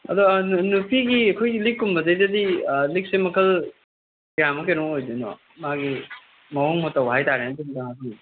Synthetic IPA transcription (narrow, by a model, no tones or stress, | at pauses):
ɐ̰dɔnupʰiɡiɐkʰojɡilikːumbɐdɐjdɐdilik̚semɐkʰɐl | ɡjamɐkenoŋojdinɔ̰ | maɡi | mɐwoŋmotɐwɦajtaɾendundaŋaki